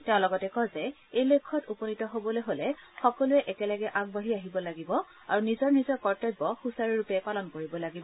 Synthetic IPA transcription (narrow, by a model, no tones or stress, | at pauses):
tɛʊ̃lɔɡɔtɛkɔzɛ | ejlekʰːɔtupɔnitɔɦobɔlojɦolɛxɔkɔluɛʔɛkɛlaɡɛʔaɡbaɦiaɦibɔlaɡibɔ | a̰ɹunizɔɹnizɔɹkɔɹtɔjbɔxusaɹiɹupɛpalɔnkoɹibɔlaɡibɔ